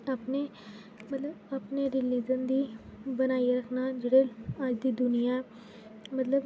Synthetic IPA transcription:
aːpneː | mət̪ləbaːpneːɾɪliːd͡ʒənd̪iːbənaːiɾəkʰnaːd͡ʒeːɽeːəd͡ʒd̪iːd̪ʊnɪjãː | mət̪ləb

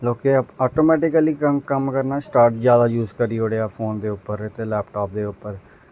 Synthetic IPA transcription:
loːkeːɔːʈoːmɛːʈɪkəliːkəmkəmkəɾnaːsʈaːɾʈd͡ʒjaːd̪aːjuːzkəɾiːoːɽeːaːpʰoːnd̪eːʊpːəɾɪt̪eːlɛːpʈɔːp̚d̪eːʊpːəɾ

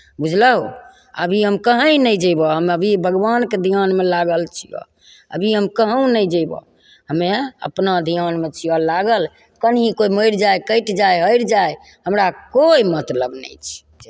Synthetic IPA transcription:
bud͡ʒʱləɦu | ə̰bʱiɦəmkəɦə̃jnəjd͡ʒəjbɔɦəməbʱibʱəɡʋanked̪ʱijanmelaɡəlt͡ʃʰḭjɔ̰ | ə̰bʱiɦəmkəɦə̃w̃nəjd͡ʒəbɔ̰ | ɦəmeə̰pnad̪ʱijanmet͡ʃʰijɔlaɡəl | kənɦikoiməjɾd͡ʒajkəɪʈd͡ʒajɦəɪɾd͡ʒaj | həmɾakoimət̪ləbnə̰jt͡ʃʰd͡ʒe

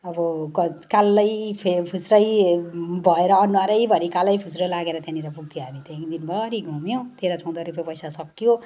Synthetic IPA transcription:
ʌbʌkʌkalːʌjpʰepʰusɾʌj | bʱʌeɾʌːnːuaɾʌjbʱʌɾikalʌjpʰusɾʌlaɡeɾʌt̪janiɾʌpuɡ̚t̪ʰijoɦamit̪aĩd̪inbʱʌɾiɡʱumjõt̪eɾat͡sʰãw̃d̪ʌɾupjepʌjsasʌkːijo

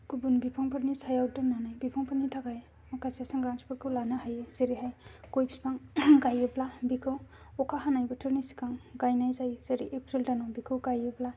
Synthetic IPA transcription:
kubunbipʰaŋpʰɯɾnisajawdɯnanajbipʰaŋpʰaɾnitʰaɡaj | makʰasiasaŋɡɾaŋsʰi̥pakʰɯwlanahajez̥eɾiɦajkojpspaŋɡajɯblabikʰɯw | ɔkʰaɦanajbɯtʰɯɾnisi̥kaŋɡajnajzajz̥eɾiʔepɾildanɔbikʰɯwɡajɯbla

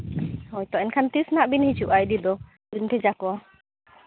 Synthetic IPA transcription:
hɔjt̪ɔʔɛnkʰant̪isnaʔbinhit͡ʃuʔajd̪id̪ɔ | bint̪ʰɛzakɔɔ

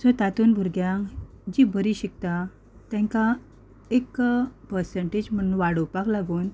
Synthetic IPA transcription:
sɔt̪at̪uːnbʱuɾɡjãŋk | d͡ʑibəɾiɕik̚t̪a | t̪ɛ̃ŋka | ekpəɾseɳʈed͡ʑm̤əñũnʋaɽəwpaklaɡuːn

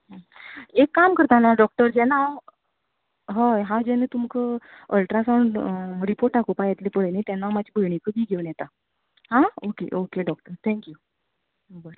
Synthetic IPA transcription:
ɦə̃ | ekːamkəɾt̪anaɖɔk̚ʈəɾd͡ʑɛnaw | ɦəjɦãd͡ʑɛnet̪umkəəlʈɾasaɳɖɾipoɾʈɖakopajɛt̪lepəɭenet̪anːamad͡ʑʱibʱəjɳikəbʱiːɡʱewnjɛt̪a | ɦãokḛʔokeɖɔk̚ʈəɾt̪ʰɛ̃ŋkju | bəɾ

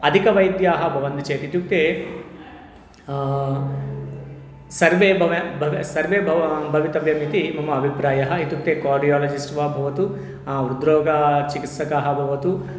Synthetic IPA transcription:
ɐd̪ʱikɐʋɐjd̪jaːɦɐbʱɐʋɐnd̪t͡ʃeːt̪it̪uk̚t̪eː | sɐɾʋeːbʱɐʋɐbʱɐʋsɐɾʋeːbʱɐbʱɐʋit̪ɐʋjɐmit̪imɐmɐɐbʱipɾaːjɐɦɐit̪juk̚t̪eːkaːɾɖijaːlɐd͡ʒisʈʋaːbʱɐʋɐt̪u | ɾud̪ɾɔːɡɐt͡ʃikit̪sɐkaːɦɐbʱɐʋɐt̪u

